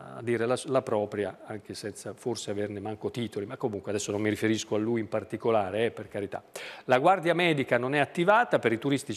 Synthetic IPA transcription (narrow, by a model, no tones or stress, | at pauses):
a̰d̪ːiːɾelalapɾɔːpɾjaaŋk̟esɛnt̪saforseavernemaŋkot̪iːt̪olimakːomuŋkwead̪ɛsːonomːiɾifeɾiskoalːujimpart̪ikolaːɾeɛperkaɾit̪a̰laɡward̪jamɛːd̪ikanonɛat̪ːivaːt̪apeɾit̪uɾist̪i